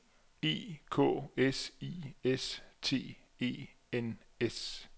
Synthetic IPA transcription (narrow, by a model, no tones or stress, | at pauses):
e̝̰ːkʰɔ̰̽ːesḭest͡sʰe̝̰ː | e̝̰ː | en | es